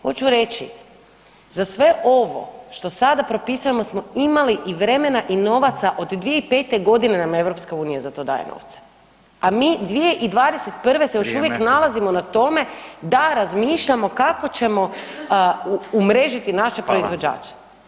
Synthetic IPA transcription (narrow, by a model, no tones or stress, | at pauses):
xo̞t͡ɕuɾe̞t͡ɕḭ | zasʋe̞ʔo̞ʋo̞̰ʃt̪o̞sad̪apɾo̞pisujemo̞smo̞imaliʔiʋɾe̞me̞naʔino̞ʋat̪saʔo̞d̪d̪ʋije̞ipe̞ːt̪e̞ɡo̞d̪inenameʋɾo̞pskauːnijazat̪o̞ːd̪a̰ːjḛno̰ʋt̪sḁ | amiːd̪ʋije̞ʔid̪ʋaːd̪eset̪pr̩ʋe̞sejoʃuʋjeknalazimo̞nat̪o̞me̞d̪aɾazmiːʃʎamo̞kako̞t͡ɕe̞mo̞ | umɾe̞ʒit̪inaʃepɾoizʋo̞d͡ʒa̰ːt͡ʃe̥